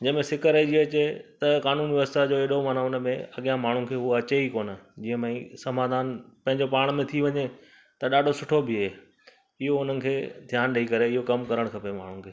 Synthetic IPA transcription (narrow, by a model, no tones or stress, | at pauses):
d͡ʑɐmẽsɪkəɾed͡ʑiɐt͡ɕet̪ɐkaːnuːnʋɪʋəst̪ʰad͡ʑoːeːɗomaːnaʊnə̆mẽɐɠijãmaːɳ̤ũkʰeːɦʊaɐt͡ɕeikoːnə̆d͡ʑiːə̃mẽĩsɐmaːd̪ʱaːnpɐ̃ɦɪ̃ɲd͡ʑopaːɽ̃mẽt̪ʰiʋɐɲe | t̪ɐɗaːɖʱosʊʈʰobɪɦeː | ɪɦoʊn̤ənɪ̆kʰeːd̪ʱjaːnɗɐikɐɾeɪɦokɐmkɐɾəɽ̃kʰɐpema̰ːɳ̤ũkʰeː